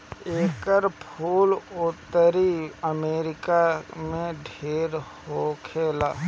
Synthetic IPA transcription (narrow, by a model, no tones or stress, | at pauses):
eːkəɾpʰuːlʊt̪əɾiəmeːɾɪkamẽɖʱeːɾhokʰeːlaː